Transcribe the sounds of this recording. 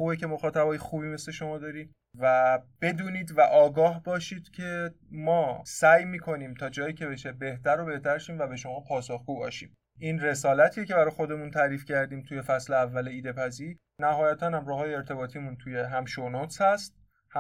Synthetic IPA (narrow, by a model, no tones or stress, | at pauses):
xuːbecʰe̞mo̞xɒːt̪ʰæbɒːjexuːbiːme̞sle̞ʃo̞mɒːd̪ɒːɾiːm | væb̥e̞d̪uːniːd̪væʔɒːɡɒːhbɒːʃiːd̪̥cʰe̞ | mɒːsæjmiːkʰo̞niːmt̪ʰɒːd͡ʒɒːjiːcʰe̞be̞ʃe̞be̞ht̪ʰæɾobe̞ht̪ʰæɾʃiːmvæbe̞ʃo̞mɒːpʰɒːsoxɡ̥uːbɒ̰ːʃḭːm | ʔiːnre̞sɒːlæt̪ʰijece̞bæɾɒːjxo̞d̪e̞munt̪ʰæːɾiːfcʰæɾd̪iːmt̪ʰuje̞fæsleævːæleiːd̪e̞pʰæziːɾ | næhɒːjæt̪ʰænhæmɾɒːɦɒːjeeɾt̪ʰe̞bɒːt̪ʰiːmunt̪ʰuje̞ɦæmʃonot̪shæst̪̚ | h